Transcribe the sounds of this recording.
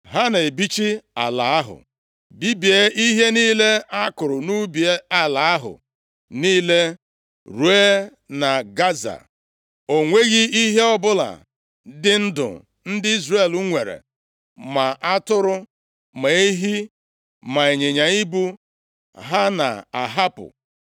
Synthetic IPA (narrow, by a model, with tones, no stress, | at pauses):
ɦa˦n˨e˨bi˦t͡ʃi˦a˨la˨a˦ɦʊ̰˨ | bi˦bi˨e˦i˦ɦe˦niː˦le˦a˦kʊ˨ɾʊ˨nu˦bi˨e˦a˦la˨a˦ɦʊ̰˨ | niː˦le˦ | ɾu˦e˦ | na˨ɡa˦za̰˨ | o˨ŋʷe˦ɣi˦i˦ɦe˦ɔ˦bʊ˦la̰˨ | dɪ˦n̩˦dʊ̰˨ | n̩˦dɪ˦i˦zre˦˨lu˦ŋʷe˨ɾḛ˨ | ma˨a˦tʊ˦ɾʊ˦ | ma˨e˦ɦi˦ | ma˨e˨ɲe˨ɲa˨i˦bu˦ | ɦa˦na̰˨a˨ɦa˦pʊ̰˨